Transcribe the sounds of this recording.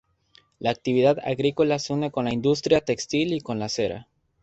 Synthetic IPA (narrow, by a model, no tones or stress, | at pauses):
laːk̚t̪iβ̞iðaða̰ɣɾikolaseune̞ko̞nlaind̪us̬t̪ɾjat̪e̞kst̪iliko̞nlase̞ɾa̰